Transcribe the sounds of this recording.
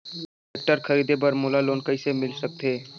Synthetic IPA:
ek̚ʈəɾkʰəɾiːd̪ebəɾmʊlaloːnkəisemɪlsək̚t̪ʰeː

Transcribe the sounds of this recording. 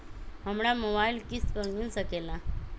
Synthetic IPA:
ɦəmɽamobailkist̪bəŋɡuːnsəkela

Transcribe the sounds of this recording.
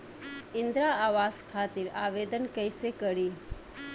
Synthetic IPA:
ɪnd̪ɾaaːʋaːskʰaːt̪iɾaːʋeːd̪ənkəjsekəɽiː

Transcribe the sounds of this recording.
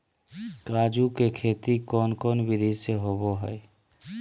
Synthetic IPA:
kad͡ʒukekʰet̪ikɔnkɔːnbid̪esjəɦoboɦəj

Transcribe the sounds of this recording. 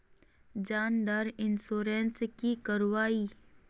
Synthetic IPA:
d͡ʒaːnɖaɾɪnsoːɾenskikəɾwaːiː

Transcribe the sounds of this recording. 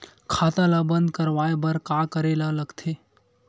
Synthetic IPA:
kʰaːt̪ãlabə̃nd̪̚kəɾʋaːebəɾkakəɾelaləɡt̪ʰe

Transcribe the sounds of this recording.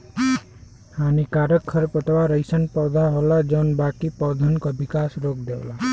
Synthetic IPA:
hanikaɾəkʰːəɾpət̪ʰʋaɾəjsənpɔwd̪ʱaɦolad͡ʒɔnbakipɔwd̪ʱənkɔbikasɾoːkd̪ewla

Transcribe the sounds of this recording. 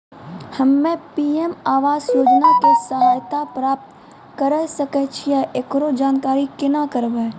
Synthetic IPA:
hɐmːẽpiːemaːʋaːzjoːd͡ʒnakesəɦaːjt̪apɾaːp̚t̪ | kəɾesɐket͡ʃʰiɛʔekɾod͡ʒaːnkaːɾikɪnakəɾbeː

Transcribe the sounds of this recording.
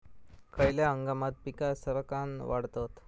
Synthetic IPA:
kajljaəŋɡamat̪̚pikasəɾkanʋaɽt̪ot̪

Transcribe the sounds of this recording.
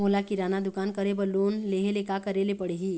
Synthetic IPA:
ɦolakiɾanad̪ukankəɾebəlonleɦelekakəɾelepəɽ̤eɦi

